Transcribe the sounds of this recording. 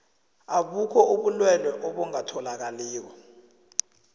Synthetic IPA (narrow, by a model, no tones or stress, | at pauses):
aɓukʰɔuɓulwɛlɛʔɔɓɔŋatʰɔlak̬aliːk̬ɔ